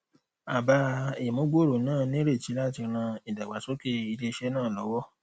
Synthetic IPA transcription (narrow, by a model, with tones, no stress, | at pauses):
a˨ba˧e˨mõ˨˦ɡ͡bo˦ɾo˨˦nãː˦˨nĩ˦ɾe˦˨t͡ʃi˨˦la˦˨ti˧ɾ̃ã˧i˨da˨ɡ͡ba˨so˨˦ke˦i˧le˧ʃɛ˦nãː˦˨lɔ˨˦wɔ˦